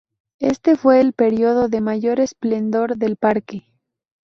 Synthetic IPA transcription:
e̞̰st̪e̞fwe̞ːlpe̞ɾjo̞ð̞o̞ðe̞maʝo̞ɾe̞sple̞nd̪o̞ɾðe̞lpaɾke̞

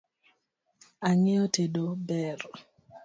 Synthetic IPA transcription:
aŋɪɔtedobɛr

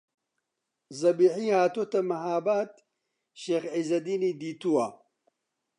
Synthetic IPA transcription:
zɐbiːħiːhaːt̪ot̪ɐmɐɦaːbaːt̪ | ʃeːxʕizɐd̪iːniːd̪iːt̪uwa

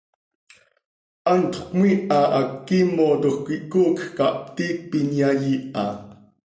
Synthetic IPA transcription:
ʔant̪ʰkmwiʔaʔakːimot̪uxkʷiʔkukkaʔp̚t̪ik̚pinjajiʔɑ̰

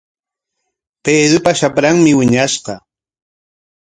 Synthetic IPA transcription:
peːd̪ɾʊpaʃapɾaŋmɪwɪɲaʃqɑ

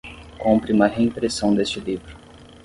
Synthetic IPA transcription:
kõmpɾɪũmɐɦeĩpɾesɐ̃w̃d̪est͡ʃɪlivɾʊ

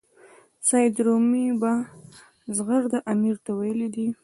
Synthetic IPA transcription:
sɑjd̪ɾomiba | zɣaɾd̪aʔamiɾt̪awajəlid̪i

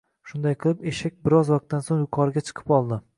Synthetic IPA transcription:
ʃʊnd̪ajqʰɨlˠɪpeʃak̚ʲbɪɾɒzwɑq̚t̪ːansoŋjʊqʰɒɾɪɡʲat͡ʃʰɨ̥qʰɨ̥pɒlˠd̪ɪ

